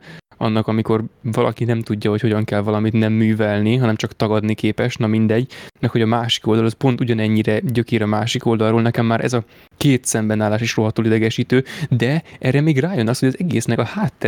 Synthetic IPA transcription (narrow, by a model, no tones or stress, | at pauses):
ɒ̰nːɒkɒmiko̞rvɒlɒ̰kinɛmt̪uɟːɒɦo̞cho̞ɟɒŋkɛlvɒlɒmit̪nɛmːyːvɛlniɦɒnɛmt͡ʃɒkt̪ɒɡɒd̪nikeːpɛʃnɒmind̪ɛɟːmɛkho̞ɟɒmaːʃi̥ko̞ld̪ɒlɒspo̞nt̪uɟɒnɛɲːiɾɛɟøkeːɾɒmaːʃiko̞ld̪ɒlroːlnɛkɛmːaːɾʔɛ̰zɒ | keːt̪sɛmbɛnaːlaːʃeːʃro̞ɦɒt̪oːlid̪ɛɡɛʃiːt̪øːd̪ɛɛrɛmeːɡraːjo̞nɒst̪ho̞ɟɒzɛɡeːsnɛkɒhaːt̪ːɛ